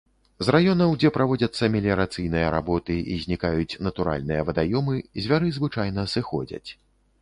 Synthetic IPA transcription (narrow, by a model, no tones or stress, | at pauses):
zrajɔnɐwd͡zʲɛpɾavɔd͡zʲɐt̪sːɐmʲɛlʲiɾat̪sɨjnɨjɐɾa̰bɔt̪ɨʔizʲnʲikajut͡sʲnɐt̪uɾa̰lʲnɨjɐvɐd̪ajɔmɨzʲvʲaɾɨzvɨt͡ʂajn̪ɐsɨxɔd͡zʲɐ̰t͡sʲ